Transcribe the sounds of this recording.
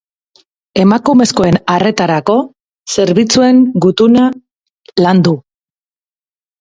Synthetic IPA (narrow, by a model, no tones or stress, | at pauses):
e̞makume̞sko̞e̞nare̞t̪aɾako̞ | se̞ɾβit͡sue̞ŋɡut̪una | land̪u